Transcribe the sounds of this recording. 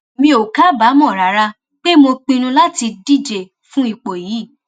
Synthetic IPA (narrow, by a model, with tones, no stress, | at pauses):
mĩ˧o˨ka˦ba˨˦mɔ̃˦˨ɾa˨ɾa˧ | k͡pe˦mo˧k͡pĩ˧nũ˧la˦ti˧di˦˨d͡ʒe˨ | fũ˦i˧˨k͡po˨jiː˨˦˨